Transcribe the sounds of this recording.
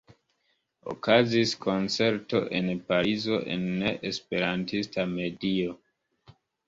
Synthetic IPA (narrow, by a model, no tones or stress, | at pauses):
o̰kaziskʰo̞nt͡se̞ɾto̞ʔe̞npaɾizo̞ʔe̞̰nːe̞ʔespe̞ɾantistame̞dio̞